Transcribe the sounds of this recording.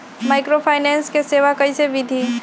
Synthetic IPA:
maːɪkɾopʰaːɪnɛ̃ːnskeseːʋakɐiseʋɪd̪ʱi

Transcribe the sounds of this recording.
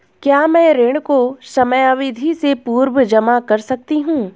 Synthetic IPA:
kjaːmɛ̃ɾeːɽkosɐməjaʋɪd̪ʱisepuːɾwəd͡ʒɐmakɐɾsɐk̚t̪iɦũː

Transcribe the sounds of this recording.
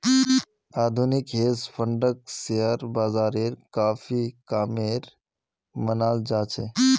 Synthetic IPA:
aːd̪ʱunɪkɦeːspʰəɳɖək̚seəɾbaːzaːɾeːɾkaːfikaːmeːɾ | mənaːld͡ʒaːt͡ʃʰḛ

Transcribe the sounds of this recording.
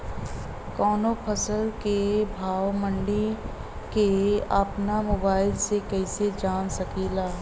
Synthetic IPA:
kɔːnopʰɐsəlkebʱaːwmə̃ɳɖi | keəpnamoːbaːɪlsekɛːsed͡ʒaːnsɐkiːlaː

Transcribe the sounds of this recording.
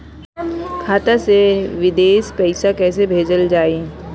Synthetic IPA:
kʰaːt̪aseʋɪd̪eːʃpɛɪsakɛːs̬ebʱeːd͡ʒəld͡ʒaːe

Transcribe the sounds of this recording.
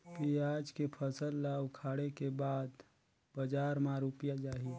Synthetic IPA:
kiaːd͡ʒkepʰəsəlːaːwkʰaːɽekebaːd̪ | bəd͡ʒaːɾmãɾuːpjad͡ʒaːɦi

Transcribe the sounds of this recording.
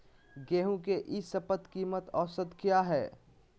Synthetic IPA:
ɡeːɦũk̬eʔisɐpət̪kiːmət̪ɔːsəd̪kjaɦɛː

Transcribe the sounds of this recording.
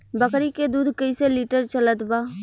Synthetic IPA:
bəkɾiked̪uːd̪ʱkəiseliːʈəɾt͡ʃɐlət̪baː

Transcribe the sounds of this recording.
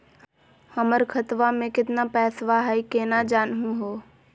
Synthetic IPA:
həməɾkʰət̪ʋamẽkɪt̪napɛːsʋaɦɛikenad͡ʒaːnɦũɦoː

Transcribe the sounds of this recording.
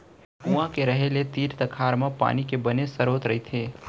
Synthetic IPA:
ũːãkeɾɐɦelet̪iːɾt̪ɐkʰaːɾmãpa̰ːnikebɐnesɐɾoːt̪ɾɐɦit̪ʰeː

